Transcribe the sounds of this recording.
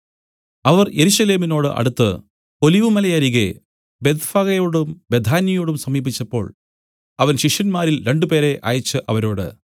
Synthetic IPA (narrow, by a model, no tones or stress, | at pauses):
ɐʋɐrje̞ɾuɕɐle̞ːmino̞ːɽɨʔɐ̰ɽut̪ːɨ̰ | o̞liʋumɐlɐjaːɾiɣḛ | be̞d̪faɣɐjo̞ːɽumbe̞d̪ʱaːnjɐjoːɽumsɐmiːbit͡ɕːɐpːo̞̰ːɭ | ɐʋɐnɕiʂjɐnmaːɾilɾe̞ɳɖupe̞ːɾe̞ʔa̰ːjɐt͡ɕːɨʔɐʋɐɾo̞ːɽɨ̰